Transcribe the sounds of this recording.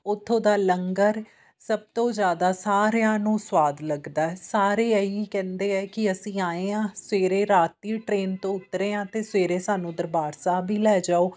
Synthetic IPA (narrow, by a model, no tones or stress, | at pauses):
ʊt̪ʰːõːd̪aːləŋɡəɾ | səb̚t̪õːzjaːd̪aːsaːɾejãːnũːswaːd̪ləɡd̪aːɛːsaːɾeːəiːkɛ̃ːnd̪eːɛːkɪəsĩːaːeːãːseːɾeːɾaːt̪iːʈɾeːnt̪õːʊt̪ɾeːãːt̪eːseːɾeːsaːnũːd̪əɾbaːɾsaːbʱiːlɛːd͡ʒaːoː